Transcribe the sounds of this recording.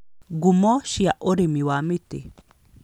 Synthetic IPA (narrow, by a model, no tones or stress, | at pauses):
ɡumoʃiaʔoɾimiwamit̪ḛ